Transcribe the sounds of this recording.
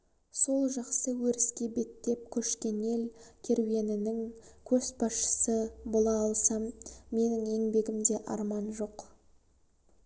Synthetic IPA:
so̞lˠʒɑqsəwɵɾɪskʲe̞be̞t̪ːe̞p̚kʲʰɵʃkʲe̞ne̞lkʲʰe̞ɾwe̞nɪnɪŋkʲʰɵsbɑsʃə̥səbolˠɑːlˠsɑmːe̞nɪŋe̞ŋbe̞ɡʲɪmd̪e̞ʔɑ̰ɾmɑnʒo̞q

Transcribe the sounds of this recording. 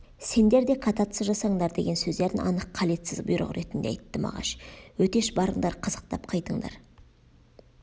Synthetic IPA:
se̞nd̪e̞ɾd̪e̞kʰɑt̪ɑt̪səzʒɑsɑɴd̪ɑɾd̪e̞ɡʲe̞nsɵzd̪e̞ɾɪɑ̰nəqʰːɑle̞t̪sɪzbʊjɾə̰ʁɾʔe̞t̪ɪnd̪eɑjt̪ːəmɑ̰ʁɑ̰ʃwɵt̪e̞ʃbɑɾəɴd̪ɑɾqʰəz̥ə̥q̚t̪ɑpqʰɑjt̪əɴd̪ɑ̰ɾ

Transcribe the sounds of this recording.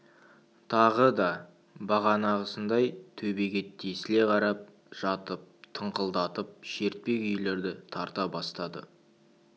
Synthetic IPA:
t̪ʰɑʁəd̪ɑ | bɑʁɑnɑʁəsənd̪ɑjt̪ʰɵbe̞ɡʲe̞t̪ʰːesɪle̞qʰɑɾɑp̚ | ʒ̥ɑt̪əp̚t̪ʰəɴqəlˠd̪ɑt̪əp̚ʃe̞ɾt̪̚pe̞kʲʏjle̞ɾd̪ɪt̪ʰɑɾt̪ɑbɑst̪ɑd̪ə̰

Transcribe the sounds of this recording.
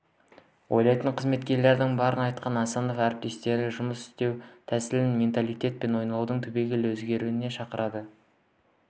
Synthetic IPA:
wʔo̞jlˠɑjt̪əɴqʰəzme̞t̪kʲe̞ɾle̞ɾd̪ɪŋbɑɾənɑjt̪qɑnɑsɑno̞fæɾɪp̚t̪e̞st̪e̞ɾɪʒʊməsɪ̥st̪e̞wt̪ʰæsɪlɪnmʲe̞nt̪alˠijt̪ʲe̞t̪̚pe̞nwo̞jnɑlˠud̪əɴt̪ʰɵbe̞ɡʲɪlɪwɵzɡʲe̞ɾuɪne̞ʃɑqəɾɑd̪ə

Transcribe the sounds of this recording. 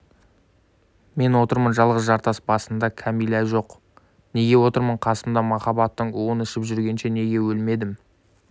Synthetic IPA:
me̞nwo̞t̪əɾmənʒɑlˠʁəzʒɑɾt̪ɑsbɑsənd̪ɑkʲʰæmijlæʒo̞q | ne̞ɡʲe̞wo̞t̪əɾməɴqʰɑsəmd̪ɑmɑχɑbɑt̪ːəɴwonɪʃɪpʒʏɾɡʲe̞nʃe̞ne̞ɡʲe̞wɵlme̞d̪ɪm

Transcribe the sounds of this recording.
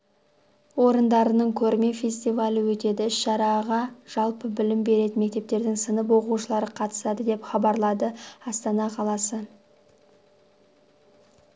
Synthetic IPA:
wo̞ɾənd̪ɑɾənəɴkʲʰɵɾme̞fʲe̞sʲt̪ijvalʲəwɵt̪e̞d̪ɪɪsʃɑɾɑʁɑʒ̥ɑlˠpəbɪlɪmbe̞ɾe̞d̪ɪme̞k̚t̪e̞p̚t̪e̞ɾd̪ɪŋsənəp̬wo̞quʃəlˠɑɾəqʰɑt̪ə̥sɑd̪əd̪e̞pχɑbɑɾlˠɑd̪əɑst̪ɑnɑqʰɑlˠɑsə

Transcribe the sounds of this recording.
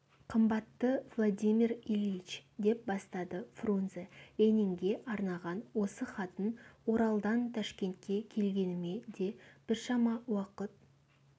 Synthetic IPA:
qʰəmbɑt̪ːəvlˠod̪ʲimirilʲit͡ʃd̪e̞p̚bɑst̪ɑd̪əfrunzeɾeniŋɡʲe̞ʔɑɾnɑʁɑnwo̞səχɑt̪ənwo̞ɾɑlˠd̪ɑnt̪ʰɑʃkʲe̞nt̪̚kʲe̞kʲʰe̞lɡʲe̞nɪme̞d̪e̞b̥ɪɾʃɑmɑwɑqət̪̚

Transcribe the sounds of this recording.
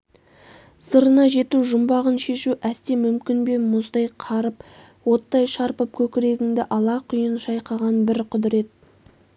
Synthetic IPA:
səɾənɑʒe̞t̪uʒʊmbɑʁənʃe̞ʃuʔæst̪e̞mʏmkʲɪnbe̞mʊzd̪ɑjqʰɑɾəp | wo̞t̪ːɑjʃɑɾpəp̚kʲʰɵkʲɪɾe̞ɡʲɪŋd̪ɪʔɑlˠɑqʰʊjənʃɑjqɑʁɑnbɪɾqʰʊd̪ɪɾe̞t̪̚

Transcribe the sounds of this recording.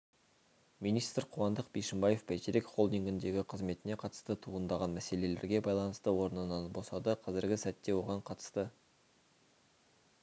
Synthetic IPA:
minist̪rqʰuwɑnd̪əqbiʃɪmbɑje̞fpæt̪eɾekʲχo̞lˠd̪iŋɡʲɪnd̪e̞ɡʲɪqʰəzme̞t̪ɪne̞qʰɑt̪ə̥st̪ət̪ʰuʁənd̪ɑʁɑnmæse̞le̞le̞̰ɾɡʲe̞bɑjlˠɑnəst̪əwo̞ɾənənɑnbo̞sɑd̪əqʰɑzɪɾɡʲɪsæt̪ːe̞wo̞ʁɑɴqʰɑt̪ə̥st̪ə

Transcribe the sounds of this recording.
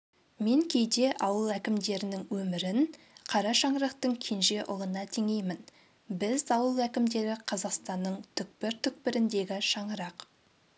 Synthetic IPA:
me̞ŋkʲʰe̞jd̪e̞ʔɑwəlˠækʲɪmd̪e̞ɾɪnɪŋwɵmɪɾɪn | qʰɑɾɑʃɑɴɾɑqt̪əɴkʲʰe̞nʒe̞ʔʊlˠənɑt̪ʰeŋe̞jmɪn | bɪzɑwəlˠækʲɪmd̪e̞ɾɪqʰɑzɑqst̪ɑnːəɴt̪ʰʏk̚pɪɾt̪ʰʏk̚pɪɾɪnd̪e̞ɡʲɪʃɑɴəɾɑq

